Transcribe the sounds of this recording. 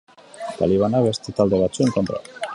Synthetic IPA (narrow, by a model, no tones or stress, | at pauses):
t̪aliβ̞anaβe̞st̪et̪ald̪e̞βat͡sueŋko̞nt̪ɾa̰